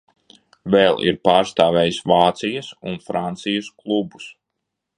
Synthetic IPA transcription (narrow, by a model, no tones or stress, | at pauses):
vɛlˠʔḭɾpaːɾst̪aːvʲɛːjsvaːt̪sijɐsunfɾant̪sijɐsklˠubus